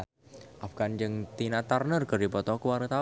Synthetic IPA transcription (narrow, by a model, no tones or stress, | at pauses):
ʔafɡ̥and͡ʒɨŋt̪inat̪arnərkərdipɔt̪ɔkəwaɾət̪a